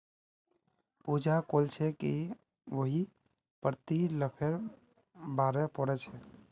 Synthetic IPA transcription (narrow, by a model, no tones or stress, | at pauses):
pud͡ʒakolt͡ʃʰɛki | ʋəɦi | pəɾt̪iləpʰeɾ | baːɾɛpɔɾɛt͡ʃʰɛ